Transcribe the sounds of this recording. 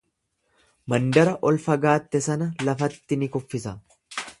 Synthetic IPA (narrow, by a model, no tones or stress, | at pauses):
mɐnd̪ɐɾɐʔɔlfɐɡaːt̪ːɛsɐnɐlɐfɐt̪ːɪnɪkɔfːɪsɐ